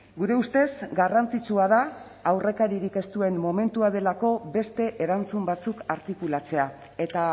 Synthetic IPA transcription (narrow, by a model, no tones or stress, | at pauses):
ɡuɾe̞ust̪e̞zɡarant͡sit͡ʃuað̞a | awre̞kaɾiɾike̞st̪ue̞mːo̞me̞nt̪uað̞e̞lako̞be̞st̪e̞ʔeɾant͡sumbat͡sukaɾt̪ikulat͡se̞a | e̞t̪a